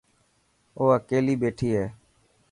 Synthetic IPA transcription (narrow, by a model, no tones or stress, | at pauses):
oːəkeːliːɓeːʈʰiːɦɛː